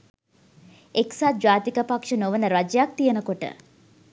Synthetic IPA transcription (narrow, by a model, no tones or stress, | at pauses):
eksaːd͡ʒaːt̪ikəpakʂənoʋənəɾɐd͡ʒjak̚t̪ijənəkoʈə̰